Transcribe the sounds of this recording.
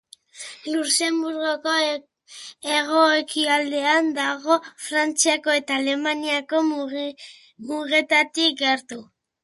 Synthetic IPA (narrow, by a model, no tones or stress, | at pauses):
luse̞mbuɾɣoko̞ | eɣo̞ekiald̪e̞and̪aɣo̞fɾant͡siako̞e̞t̪aːle̞maniako̞ | muɣe̞t̪at̪ikɡeɾt̪u